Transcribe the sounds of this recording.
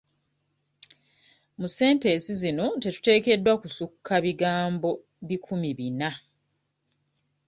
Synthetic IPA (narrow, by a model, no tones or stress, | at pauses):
muse̞ːnte̞sizino̞te̞tu̥te̞ːke̞dːwakusukʰːaβiɡaːmbo̞ | βikʰumiβina